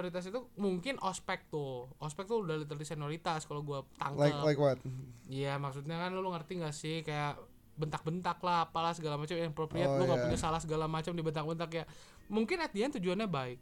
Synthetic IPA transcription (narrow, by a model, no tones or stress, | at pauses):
oɾit̪as̬it̪umuŋkɪnʔɔspɛk̚t̪ʊɔspɛk̚t̪udalit̪̬ərdisanoɾit̪askalaɡuat̪a̰ŋəllakwat̪̚ijamaksut̪ɲakanlluŋərt̪iŋɡasɪhkajaʔ | bənt̪ak̚bənt̪aklahapalahsəɡalamat͡ʃamjaŋpɾopɾiat̪̚uŋɡauɲasalahsəɡalamat͡ʃamdibənt̪akbənt̪akja | muŋkɪnat̪iant̪ud͡ʒuanɲabaɪk̚